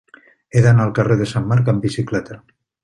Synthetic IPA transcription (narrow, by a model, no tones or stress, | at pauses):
eðanaːlˠkareðesamːaɾkambisiklɛt̪a